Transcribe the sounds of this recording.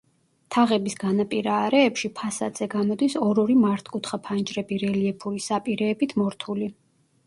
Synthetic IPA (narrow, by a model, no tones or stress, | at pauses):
t̪ʰaʁɛbisɡanapʼiɾaːɾɛːpʃipʰasa̰d̪z̥ɛɡamɔd̪isɔɾɔɾimaɾt̪ʰkʼut̪ʰχapʰand͡ʒʼɾɛbiɾɛliɛpʰuɾisapʼiɾɛːbit̪ʰmɔɾt̪ʰuli